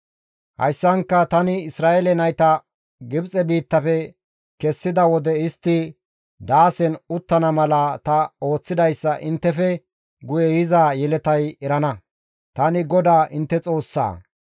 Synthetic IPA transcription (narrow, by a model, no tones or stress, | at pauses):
hɐ̰jsːɐŋkːɐt̪ɐnɪɪsɾaːʔelɛnɐjt̪ɐ | ɡɪbt͡sʼɛbiːt̪ːɐfɛ | kɛsːɪd̪ɐwɔd̪ɛɪst̪ːɪ | d̪aːsɛnʊt̪ːɐnɐmɐlɐt̪ɐo̞ːt͡sːɪd̪ɐjsːɐʔɪnt̪ːɛfɛ | ɡʊjɛjɪzaːjɛlɛt̪ɐjɛɾɐnɐ | t̪ɐnɪɡɔd̪aːʔɪnt̪ːɛt͡sʼo̞ːsːa̰ː